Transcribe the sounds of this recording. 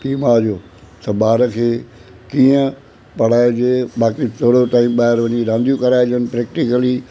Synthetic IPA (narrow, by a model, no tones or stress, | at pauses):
ʈiːmad͡ʑoː | t̪ɐɓaːɾəkʰeː | kiːə̃ | pɐɽ̤aːed͡ʑeɓaːkit̪ʰoːɽoʈãːĩmɓaːɦɪɾʋɐɲiɾãːnd̪ijũkɐɾaːɪd͡ʑənɪ̆pɾɛːk̚ʈɪkəli